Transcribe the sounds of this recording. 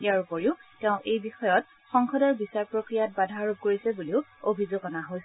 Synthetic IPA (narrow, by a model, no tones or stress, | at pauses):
iaɹukoɹiʊtɛʊ̃ʔejbixɔjɔt̚ | xɔŋxɔdɔɹbisaɹpɹokɹijat̚badʱaɹub̚koɹisɛbuliʊobʱizoɡɔnaɦojs